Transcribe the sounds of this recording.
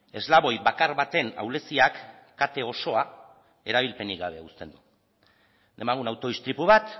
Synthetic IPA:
e̞zlaβo̞jβakaɾβat̪e̞na̰wle̞siakː | at̪e̞o̞so̞a | e̞ɾaβ̞ilpe̞niɣaβ̞e̞ust̪e̞nd̪u | e̞maɣ̞unawt̪o̞ðist̪ɾipuβ̞at̪

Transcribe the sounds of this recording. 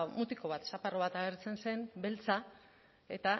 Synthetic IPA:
mut̪iko̞βat̪saparo̞β̞at̪aɣeɾt͡se̞nse̞mbe̞lt͡sa | e̞̰t̪a

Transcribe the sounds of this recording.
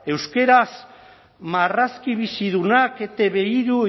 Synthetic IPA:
e̞wske̞ɾas | maraskiβ̞isiðunake̞t̪eβeiɾu

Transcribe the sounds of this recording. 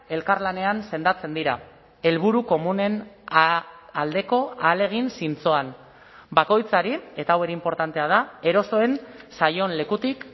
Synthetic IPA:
e̞lkaɾlane̞anse̞nd̪at͡se̞nd̪iɾa | e̞lβ̞uɾuko̞mune̞n | ald̪e̞ko̞aːle̞ɣ̞insint͡so̞an | bako̞jt͡saɾie̞t̪aawe̞ɾe̞impo̞ɾt̪ant̪e̞að̞ae̞ɾo̞so̞e̞nsajo̞nle̞kut̪ik

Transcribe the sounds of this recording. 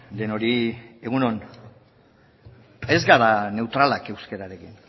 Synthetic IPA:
d̪eno̞ɾie̞ɣuno̞n | e̞zɡaðane̞wt̪ɾalake̞wske̞ɾaɾe̞kin

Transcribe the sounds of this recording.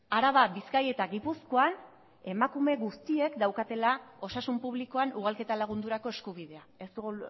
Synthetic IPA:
aɾaβabiskaje̞t̪aɣipuskoan | e̞makume̞ɣust̪ie̞kd̪awkat̪e̞lao̞sasumpuβliko̞anuɣ̞alke̞t̪alaɣ̞und̪uɾako̞e̞skuβ̞iðe̞ae̞st̪uɣ

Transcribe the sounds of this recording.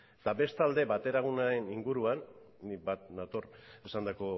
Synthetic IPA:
t̪abe̞st̪ald̪e̞bat̪e̞ɾaɣ̞unaɾe̞niŋɡuɾuanː | ibat̪nat̪oɾesand̪ako̞

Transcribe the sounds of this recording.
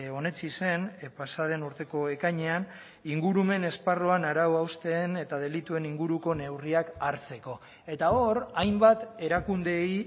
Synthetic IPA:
o̞ne̞t͡sise̞npasað̞e̞nuɾt̪e̞ko̞e̞kaɲe̞an | iŋɡuɾume̞ne̞sparoanaɾawawst̪e̞ːne̞t̪að̞e̞lit̪ue̞niŋɡuɾuko̞ne̞wriakaɾt͡se̞ko̞ | e̞t̪aoɾajmbat̪e̞ɾakund̪e̞j

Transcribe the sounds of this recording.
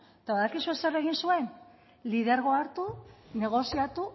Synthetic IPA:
t̪aβaðakisuese̞re̞ɣ̞insue̞n | liðe̞ɾɣoaɾt̪une̞ɣ̞o̞siat̪u

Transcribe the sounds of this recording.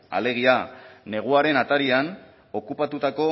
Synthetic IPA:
a̰le̞ɣ̞iane̞ɣ̞uaɾe̞nat̪aɾian | o̞kupat̪ut̪ako̞

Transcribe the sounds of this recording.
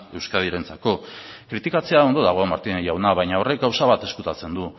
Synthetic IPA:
e̞wskaðiɾe̞nt͡sako̞kɾit̪ikat͡se̞ao̞nd̪o̞ðaɣ̞o̞amaɾt̪inejawnaβajɲao̞re̞k̚ɡawsaβat̪e̞skut̪at͡se̞nd̪u

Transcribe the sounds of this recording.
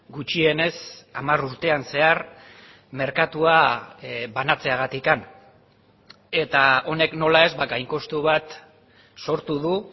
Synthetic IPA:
ɡut͡ʃie̞ne̞samaɾuɾt̪e̞anse̞ar | me̞ɾkat̪ua | βanat͡se̞aɣat̪ikan | e̞t̪ao̞ne̞kno̞lae̞zbaɣajŋko̞st̪uβat̪ | so̞ɾt̪uðu

